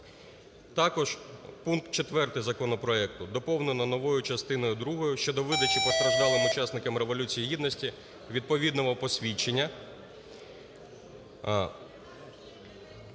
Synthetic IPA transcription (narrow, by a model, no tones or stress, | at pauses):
t̪ɑkɔʒ̥punkt̪̚t͡ʃet̪ʋɛrt̪ɪzɐkɔnɔpɾɔɛkt̪ʊd̪ɔpɔwnenɔnɔʋɔjʊt͡ʃɐst̪ɪnɔjʊd̪ɾuɦɔjʊʃt͡ʃɔd̪ɔʋɪd̪ɐt͡ʃʲipɔst̪ɾɐʒd̪ɑlˠɪmʊt͡ʃɑsnɪkɐmɾe̞ʋɔlʲut͡sʲijiɦʲid̪nɔsʲtʲi | ʋʲid̪̚pɔʋʲid̪nɔɦɔpɔsʲʋʲit͡ʃenʲːɐ